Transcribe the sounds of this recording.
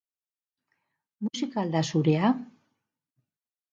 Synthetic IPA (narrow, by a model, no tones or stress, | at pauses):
musikaald̪asuɾea